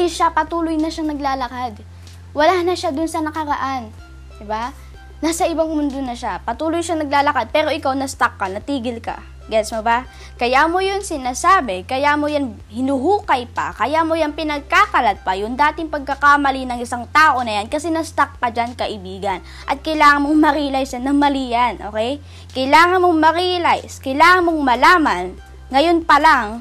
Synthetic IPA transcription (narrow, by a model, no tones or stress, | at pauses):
ɪʃapɐt̪uːlʊjnɐʃaŋnɐɡlaːlɐkad̪ | wɐlaːnɐʃad̪ʊnsɐnɐkɐɾɐʔan | d̪ɪbaː | aːsɐʔɪbaŋmʊnd̪onɐʃapɐt̪uːlʊjʃaŋnɐɡ̚laːlɐkad̪̚pɛːɾo̞ʔɪkawnɐst̪akːɐnɐt̪iːɡɪlkɐ̰ | ɡɛsmoba | kɐjamo̞jonsɪnaːsaːbɛkɐjamojan | hɪnuɦuːkɐjpɐ̰kɐjamojanpɪnɐɡ̚kakɐlɐt̪̚pɐjʊnd̪aːt̪ɪŋpɐɡ̚kɐkamɐlinɐŋɪsaŋt̪aːʔo̞nɐjankɐsɛnɐst̪ak̚pɐd͡ʒankɐʔɪbiːɡɐn | ʔɐt̪̚kɐjlaːŋɐnmoŋmɐɾilɐjsjanːɐŋmɐlijɐnʔoːkɛj | kɐjlaːŋɐnmoŋmɐɾilajskɐjlaːŋɐnmoŋmɐlaːmɐn | ŋɐjo̞npɐlaŋ